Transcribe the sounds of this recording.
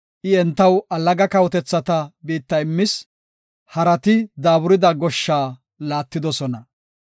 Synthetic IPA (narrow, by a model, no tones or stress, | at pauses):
ʔɪɛnt̪ːɐwɐlːɐɡɐkɐwt̪ɛt͡sːɐt̪ɐbiːt̪ːɐɪmːɪs | hɐɾɐt̪ɪd̪aːbʊɾɪd̪ɐɡɔʃːaː | laːt̪ːɪd̪ɔsɔnɐ